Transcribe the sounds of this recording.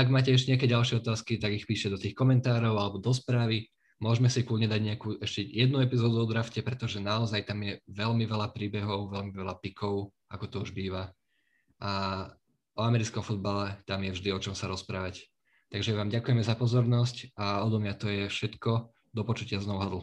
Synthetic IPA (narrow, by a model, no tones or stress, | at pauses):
aɡmaːcɛɛʃ̬ɛɲɛakɛɟalʃɪɛɔt̪aːskit̪aɡixpiːʃcɛd̪ɔt̪iːxkɔmɛnt̪aːɾɔʊalɛbɔd̪ɔs̬pɾaːʋi | mʊɔʒmɛsikluːɲɛd̪aɟɲɛakuːʔɛʃcɛjɛd̪̚nuɛpizɔːd̪uɔd̪ɾafcɛpɾɛt̪ɔʒɛnaɔzajt̪amjɛʋɛlmiʋɛlapɾiːbɛɦɔʊʋɛlmiʋɛlapikʰɔʊ | akɔt̪ɔuʒbiːʋa | ʔa | ɔamɛɾit͡skɔmfud̪balɛt̪amjɛvʒd̪iɔt͡ʃɔmsaɾɔspɾaːʋac | t̪aɡʒɛʋaːmɟakujɛmɛzapɔzɔɾnɔscaɔd̪ɔmɲat̪ɔjɛfʃɛt̪kɔ | d̪ɔpɔt͡ʃucɪaznɔʊɦad̪l̩ˠ